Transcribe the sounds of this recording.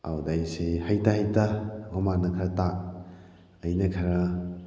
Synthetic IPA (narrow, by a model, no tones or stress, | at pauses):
a̰wdajsehajtaɦajtaɡɔmanɐkʰɐɾɐta | ɐjnɐkʰɐɾɐ